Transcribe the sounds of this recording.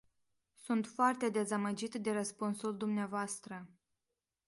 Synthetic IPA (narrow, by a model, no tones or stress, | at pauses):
sunt̪foart̪e̞d̪e̞zaməd͡ʒit̪d̪e̞ɾəspunsuld̪umneavoast̪ɾə